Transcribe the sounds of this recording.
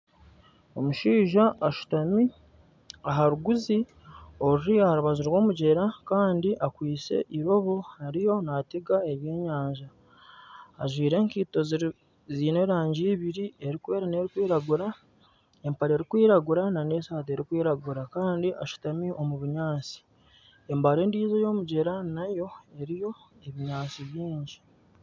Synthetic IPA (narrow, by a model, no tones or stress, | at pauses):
omuʃiːʒaʔːʃu̥tami | aɦaɾuɡuzi | o̞ɾiahaɾuβaziɾwo̞ːmuɟe̞ɾakaːndiʔakwiːt͡se̞̰ʔiɾo̞βo̞haɾijo̞nateɡae̞βje̞ːɲaːɲʒaː | ʒwiːɾe̞ːŋkiːto̞zi | ziːne̞ɾaːɲɟiːβiɾie̞ɾikwe̞ːɾane̞ːɾikwiːɾaɡuɾa | e̞mpaɾe̞ːɾikwiːɾaɡuɾanane̞ːsaːt̬e̞ːɾikwiːɾaɡuɾakaːndiʔaʃu̥tamiʔo̞muβuɲaːt͡si̥ | e̞mbaɾe̞ːndiːzejo̞ːmuɟe̞ɾanajo̞e̞ɾijo̞ | e̞βiɲaːt͡siβjiːɲɟi